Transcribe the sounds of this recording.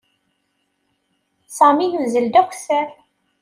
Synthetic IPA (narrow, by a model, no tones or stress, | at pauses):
sˤɑminuzəld̪æxʷθæ